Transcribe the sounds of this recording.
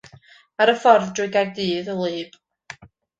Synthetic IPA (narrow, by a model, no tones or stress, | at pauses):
aɾəfɔrðdrɪɡaɡ̚dɨːðəlˠɨːb̥